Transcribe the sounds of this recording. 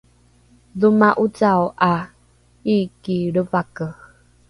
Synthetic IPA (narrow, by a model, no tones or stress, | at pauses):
ðumaʔut͡sawʔa | ikiɾəvakə